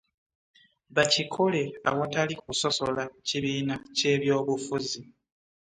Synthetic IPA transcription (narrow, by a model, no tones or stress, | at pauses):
βacikʰole̞a̰wotalikuso̞so̞laciβiːnace̞ːβjo̞ːβufuzi